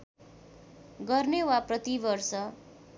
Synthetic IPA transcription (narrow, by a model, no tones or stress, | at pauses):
ɡʌrnewaprʌt̪ibʌrsʌ